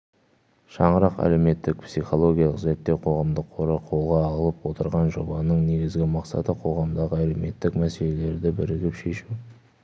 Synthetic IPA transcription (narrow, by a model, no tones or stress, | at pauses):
ʃɑɴəɾɑqæ̰le̞wme̞t̪ːɪk̚psiχo̞lˠo̞ɡʲijɑlˠəqze̞ɾt̪ːe̞qʰoʁɑmd̪əqʰːoɾəqʰo̞lˠʁɑːʁəlˠəpwo̞t̪əɾʁɑnʒo̞bɑnəɴne̞ɡʲɪzɡʲɪmɑqsɑ̰t̪əqʰo̞ʁɑmd̪ɑʁəælewme̞t̪ːɪkmæse̞le̞le̞ɾd̪ɪbɪɾɪɡʲɪpʃe̞ʃu